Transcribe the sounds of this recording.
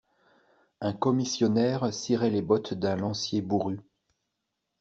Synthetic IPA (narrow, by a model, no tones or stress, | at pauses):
ɛ̃kɔmisjɔnɛʁsiʁɛlebɔt̪d̪ɛ̃lɑ̃sjebuʁy